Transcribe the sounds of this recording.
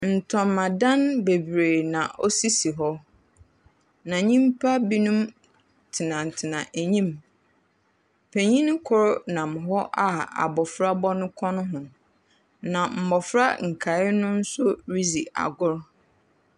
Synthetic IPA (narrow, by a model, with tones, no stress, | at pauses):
n̩˨tʰɔ̃˨mːã˨dã˦nbe˨bɾe˨nã˨ʔɔ˦si˦si˨ɦɔ˦ | nã˨ɲĩ˦mpʰa˦bi˦nũ˦m | tʰɪ˨nã˨n̩˨tʰɪ˨nã˨ʔæ˨ɲĩ˦m | pʰe˨ɲĩ˦nɪ̃˦kʰʊ˦ɾnã˨mʊ̃˨ɦɔ˦ʔa˦a̰˨bɔ˨fɾa˦bɔ˦nʊ̃˦kʰɔ̃˦nʊ̃˦ɦʊ̃˨ | nã˨m̩˨bɔ˨fɾa˦ŋ̩˨kʰa˨ɪ˦nʊ̃˦n̩˦sʊ˦ɾi˦zi˨a̰˨ɡʊ˦ɾ